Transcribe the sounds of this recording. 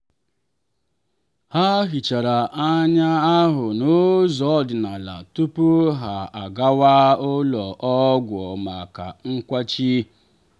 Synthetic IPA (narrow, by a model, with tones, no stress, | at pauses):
ha˦ɦi˨t͡ʃa˨ɾa˨ʔa˦ɲa˦a˦ɦʊ˨no˦zɔ˦dɪ˨na˨la̰˨tu˦pu˦ɦa˨a˨ɡa˦waː˦ʊ˦lɔ˨ʔɔ˦ɡʷɔ˨ma˨ka̰˨ŋ̩˦kʷa˦t͡ʃi˦